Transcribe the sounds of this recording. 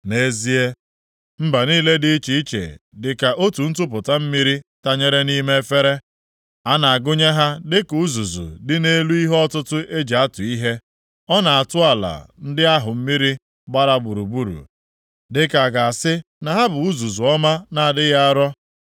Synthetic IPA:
ne˦zi˦e˦ | m̩˦ba˨niː˦le˦dɪ˦t͡ʃi˨i˦t͡ʃḛ˨dɪ˨ka˨ʔo˦tu˨n̩˦t̬ʊ˦p̬ʊ˨ta˦m̩˦mi˦ɾi˦ta˦ɲe˦ɾe˦ni˦me˦fe˦ɾe˦ | a˦na˨a˨ɡʊ˦ɲe˦ɦa˦dɪ˦kʊ˨u˦zu˨zṵ˨dɪ˦ne˦lu˦i˦ɦɔ˦tʊ˦tʊ˦ʔe˦d͡ʒe˨a˦tʊ˨i˦ɦe˦ | ɔ˦na˨a˨tʊ˦a˨la̰˨n̩˦dɪ˦a˦ɦʊ˨m̩˦mi˦ɾi˦ | ɡ͡ba˦ɾa˦bu˨ɾu˨bu˦ɾṵ˨ | dɪ˦ka˨ɡa˨a˨sɪ˦ | na˨ɦa˦bʊ˨u˦zu˨zu˨ɔ˦ma˦na˨a˨dɪ˦ɣa˦a˦ɾɔ˦

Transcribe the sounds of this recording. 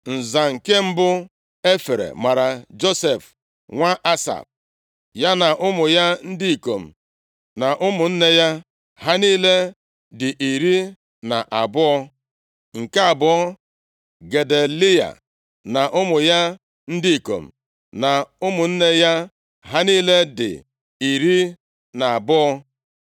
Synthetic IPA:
n̩˨za˨ŋ̩˨ke˦m̩˦bʊ˦ | e˦fe˨ɾḛ˨ma˨ɾa˨d͡ʒo˦se˨f | ŋʷa˦ʔa˦sa̰˨p̚ | ja˦na˨ʔʊ˦mʊ˨ja˦n̩˦di˦i˨ko˨m̩˨ | na˨ʔʊ˦mʊ˨n̩˦ne˦ja˦ | ɦa˦niː˦le˦ | dɪ˨ʔi˨ɾi˦ | na˨ʔa˨bʊ˦ɔ˦ | ŋ̩˨ka˦a˨bʊ˦ɔ˦ | ɡe˨de˨lɪ˦ja̰˨ | na˨ʔʊ˦mʊ˨ja˦ | n̩˦di˦i˨ko̰˨m̩˨ | na˨ʊ˦mʊ˨n̩˦ne˦ja˦ | ɦa˦niː˦le˦dɪ̰˨ | i˨ɾi˦ | na˨a˨bʊ˦ɔ˦

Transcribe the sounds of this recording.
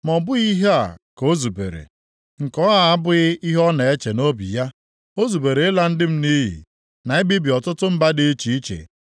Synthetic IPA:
mɔ˨bʊ˦i˦ɦe˦a˨ko˦zu˨bḛ˨ɾḛ˨ | ŋ̩˨kɔ˦ɦa˦˨a˦bʊ˦ɪ˦i˦ɦɔ˦na˨e˦t͡ʃe˨no˦bḭ˨ja˦ | o˦zu˨be˨ɾe˨˦ɪ˦la˦n̩˦dɪ˦m̩˦ni˦ɦḭ˨ | na˨e˦bi˦bi˨ɔ˨tʊ˦tʊ˦m̩˦ba˦dɪ˦e˦t͡ʃi˨i˦t͡ʃḛ˨

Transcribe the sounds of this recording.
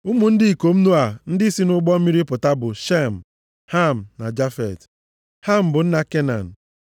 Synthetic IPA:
ʊ˦mu˨n̩˦dɪ˦i˨ko˨m̩˦nu˦a˨n̩˦dɪ˦i˦si˦nʊ˦ɡ͡bɔ˦m̩˦mi˦ɾi˦pʊ˨ta˦bʊ˨ʃe˦m̩˨ | ha˦m̩˨na˨d͡ʒa˦fɛ̰˨t | ha˦m̩˨bʊ˨n̩˦na˦ke˦na̰˨n̩˨

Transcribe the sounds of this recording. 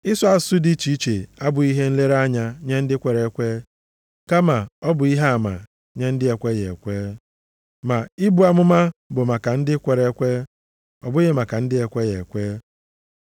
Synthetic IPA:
ɪ˦sɔ˦a˨sʊ˦di˦t͡ʃi˦t͡ʃe˨a˦bʊ˨i˦ɦe˦n̩˦le˦ɾa˦ɲa˨ɲe˦n̩˦dɪ˦kʷe˨ɾe˨˦kʷe˦ | ka˦ma˨ɔ˦bʊ˨i˦ɦe˦a˨ma̰˨ | ɲe˦n̩˦dɪ˦e˨kʷe˦je˨e˨kʷe˦ | ma˨i˦bu˨˦a˨mʊ˦ma˦bʊ˨ma˨ka˨n̩˦dɪ˦kʷe˨ɾe˦kʷe˦ | ɔ̰˨bʊ˦ɣe˨ma˨ka˨n̩˦dɪ˦e˨kʷe˦je˨kʷe˦

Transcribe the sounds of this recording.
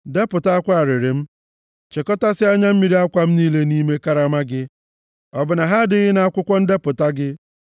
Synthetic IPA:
de˦pʊ˨ta˦a˦kʷa˦a˨ɾɪ˨ɾɪ˨m̩˦ | t͡ʃe˨kɔ˦ta˦sɪ˦a˦ɲa˦m̩˦mi˨ɾi˦a˦kʷa˦m̩˦niː˦le˦ni˦me˦ka˦ɾa˦ma˦ɡɪ˦ | ɔ˨bʊ˨na˨ɦa˦dɪ˦ɣɪ˦na˨a˦kʷʊ˦kʷɔ˦n̩˦de˦pʊ˨ta˦ɡɪ˦

